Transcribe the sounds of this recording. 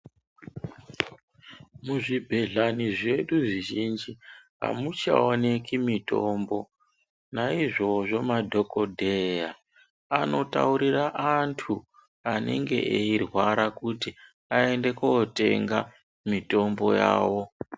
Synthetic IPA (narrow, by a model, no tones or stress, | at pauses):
muʐibʱe̞ɮaniʐe̞ɗuʐiʒind͡ʒiɦa̰mut͡ʃa̰one̞kimito̞mbo̞ | naiʐo̞ʐo̞madʱo̞ko̞dʱeja | ano̞ta̰uɾiraʔantʰu | ane̞̰ŋɡe̞̰ʔeirwaɾakuti | ae̞nde̞kote̞ŋɡa | mito̞mbo̞jaːwo̞